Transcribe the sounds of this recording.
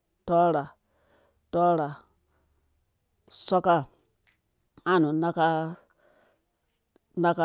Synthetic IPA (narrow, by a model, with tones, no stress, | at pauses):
tɔ˦ɾa˨ | tɔ˦ɾa˨ | sɔ˦ka˦˨ | ã˦˨nũ˨na˦ka˦ | na˦ka˦